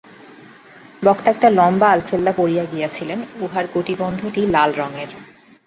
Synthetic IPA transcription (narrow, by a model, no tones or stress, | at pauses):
bɔkt̪aɛk̚ʈalɔmbaalfelːapoɾijaɡijat͡ɕʰilenuɦaɾɡoʈibɔnd̪ʱoʈilalɾɔŋeɾ